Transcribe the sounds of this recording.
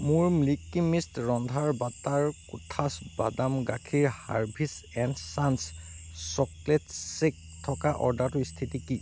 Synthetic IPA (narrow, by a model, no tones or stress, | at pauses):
mʊɹmlikːimistɹɔndʱaɹbataɹkutʰasba̰damɡakʰiɹha̰ɹbʱisɛndsanssɔkletsek̚ | tʰɔkaʔɔ̰ɹdatʊist̪ʰitiki